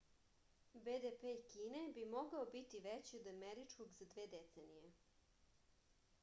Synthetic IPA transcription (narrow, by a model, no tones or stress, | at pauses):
bed̪epeikiːnebimoɡaobit̪iʋet͡ɕiod̪ameɾit͡ʂkoɡzad̪ʋeːd̪et̪senije